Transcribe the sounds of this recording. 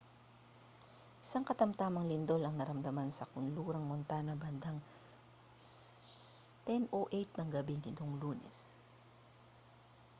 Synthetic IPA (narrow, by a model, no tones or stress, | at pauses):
ʔɪsɐŋkɐt̪ɐmt̪amɐŋlɪnd̪o̞lɐŋnɐɾɐmd̪ɐmansɐkʊnluːɾɐŋmont̪aːnɐbɐnd̪aŋ | t̪ɛnoʔejt̪̚nɐŋɡɐbinɪt̪oŋluːnɛ̰s